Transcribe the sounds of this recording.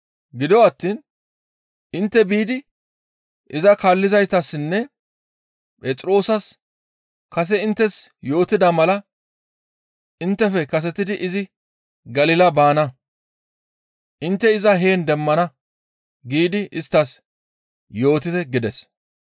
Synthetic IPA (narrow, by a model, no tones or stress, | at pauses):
ɡɪd̪ɔɐt̪ːiːn | ɪnt̪ːɛbiːd̪ɪ | ʔɪzɐkaːlːɪzɐjt̪ɐsːɪnːɛ | pʼet͡sʼɾo̞ːsɐs | kɐs̬ɛɪnt̪ːɛsjo̞ːt̪ɪd̪ɐmɐlɐ | ʔɪnt̪ːɛfɛkɐs̬ɛt̪ɪd̪ɪʔɪzɪ | ɡɐlɪlɐbaːnɐ | ʔɪnt̪ːɛɪzɐɦe̞ːnd̪ɛmːɐnɐ | ɡiːd̪ɪʔɪst̪ːɐs | jo̞ːt̪ɪd̪ɛɡɪd̪ɛs